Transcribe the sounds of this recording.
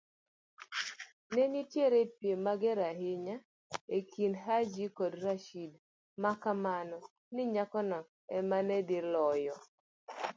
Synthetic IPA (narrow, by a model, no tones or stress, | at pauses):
neɲitjeɾepjemaɡɛɾaɦɪɲa | ekʰinɦad͡ʒikɔdraʃid | makamanɔ | nɪɲakɔnɔ | ɛmanɛdilɔjɔ